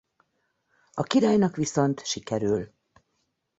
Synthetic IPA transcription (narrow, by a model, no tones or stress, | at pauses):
ɒkiɾaːjnɒkʋiso̞nt̪ʃikɛɾyl